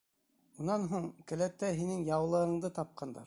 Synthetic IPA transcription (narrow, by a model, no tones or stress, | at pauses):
unɑnɦuɴkɘ̆læt̪ːæɦinɘŋjɑwlˠɤ̆ɤ̆ɴd̪ɤt̪ɑp̚qɑnd̪ɑ̰ɾ